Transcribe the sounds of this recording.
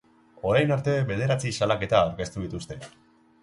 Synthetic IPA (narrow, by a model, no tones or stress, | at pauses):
o̞ɾajnaɾt̪e̞βe̞ð̞e̞ɾat͡sisalake̞t̪aːwɾke̞st̪uðit̪ust̪e̞